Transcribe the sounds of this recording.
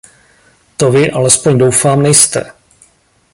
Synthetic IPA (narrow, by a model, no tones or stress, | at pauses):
t̪o̞vɪʔalɛspo̞ɲdo̞wfaːmnɛjst̪ɛ̰